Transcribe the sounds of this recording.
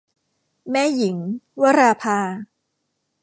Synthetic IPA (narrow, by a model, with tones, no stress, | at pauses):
mɛː˥˩˨ji˩˦ŋwa˦˥ɾaː˧pʰaː˧